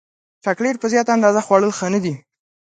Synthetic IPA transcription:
ʈakɽeɾpəzjɑt̪and̪ɑzaxwɑɽəlxənad̪i

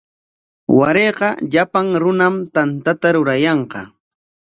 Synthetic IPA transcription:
waɾeqɑʎapaŋɾʊnamt̪ant̪at̪aɾʊɾajɑɴqɑ

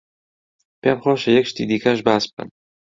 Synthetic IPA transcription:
pemxoːʃɐjɛkʃt̪ḭːd̪iːkʰɐʃ̬baːsb̥̚kɐ̰n

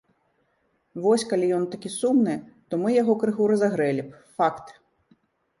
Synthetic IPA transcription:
vɔsʲkalʲijɔnt̪akʲisumnɨt̪ɔmɨjaɣɔkɾɨɣuɾɐzaɣɾɛlʲip | fakt̪

